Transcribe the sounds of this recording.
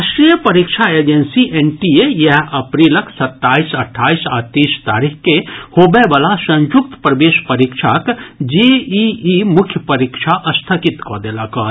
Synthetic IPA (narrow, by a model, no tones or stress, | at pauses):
ʃʈɾijəpɐɾikʃʰaeːd͡ʒensiʔenʈiejɐɦɐpɾiːləksɐt̪ːaːisɐʈʰːaːisat̪iːst̪a̰ːɾikkehobebəlasə̃nd͡ʒuk̚t̪pɾəʋeːʃpəɾikʃʰakd͡ʒiiimʊkʰjəpəɾikʃʰaʔɐst̪ʰəkit̪kɔd̪elakɔ